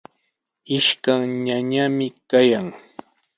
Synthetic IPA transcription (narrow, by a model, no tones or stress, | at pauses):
ɪʃkaŋɲaɲamɪkajaŋ